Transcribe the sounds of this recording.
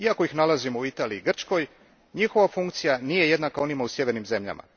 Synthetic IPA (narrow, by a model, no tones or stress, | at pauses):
iako̞ixnalˠazimouit̪aːliiːɡr̩t͡ʃko̞j | ɲixo̞ʋafuŋkt̪sijanije̞je̞d̪nakao̞nimausje̞ʋe̞ɾnimze̞mʎa̰ma̰